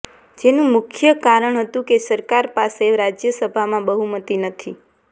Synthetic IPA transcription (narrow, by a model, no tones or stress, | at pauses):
d͡ʒenũmʊkʰjəkaɾəɳ̃ɦət̪ũkesəɾkaɾpaseɾad͡ʒjəsəbʱamãbəɦumət̪inət̪ʰi